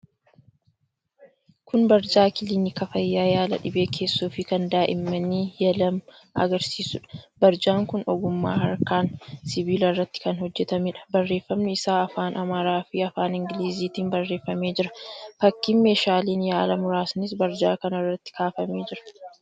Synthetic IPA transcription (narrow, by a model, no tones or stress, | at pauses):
kʊnbɐɾd͡ʒaːkɪlɪnɪkɐfɐjːaːjaːlɐ̰ᶑɪbe̞ːkʰe̞ːsːuːfɪkɐnd̪aːʔɪmːɐniːjɐlɐm | ɐ̰ɡɐɾsiːsʊᶑɐ̥bɐɾd͡ʒaːŋkʊnɔ̰ɡʊmːa̰ːhɐɾkaːnsɪbiːlɐrːɐt̪ːɪ̥kɐnhɔd͡ʒːɛt̪ɐmɪᶑɐ̥bɐrːe̞ːfːɐmnɛɪsaːɐfaːnʔɐmaːɾaːfɪɐfaːnɪŋɡɪliːziːt̪iːnbɐrːe̞ːfːɐme̞ːd͡ʒɪɾɐfɐkːiːnme̞ːʃaːliːnjaːlɐmʊɾaːsnɪs̬bɐɾd͡ʒa̰ːkɐnɐrːɐt̪ːɪ̥kaːfɐme̞ːd͡ʒɪɾɐ̥